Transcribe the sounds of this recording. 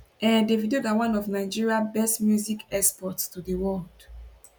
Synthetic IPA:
ɛ̃ndevidioɡawãnɔvnaɪd͡ʒiɹiabɛstmjuzikɛspɔtstʰudəwɔld̥

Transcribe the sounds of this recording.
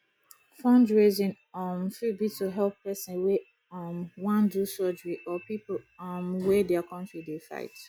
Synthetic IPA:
fãndɹezĩn | ɔmfibituɦɛlpːɛsĩnwe | ɔmwãndusɔd͡ʒəɹiʔɔpipolɔmwɛdɛakʰɔ̃ntɹidefa̰ɪt

